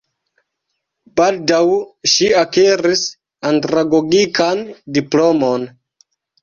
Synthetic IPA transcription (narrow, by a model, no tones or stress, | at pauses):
b̥aldawʃiakeɾis | antɾaɡo̞ɡikʰandiplo̞mo̞n